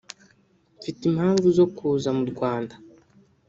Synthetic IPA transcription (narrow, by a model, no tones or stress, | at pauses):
ɱfitimhaːɱvuzo̞kʰuːzamuɾɡwaːnda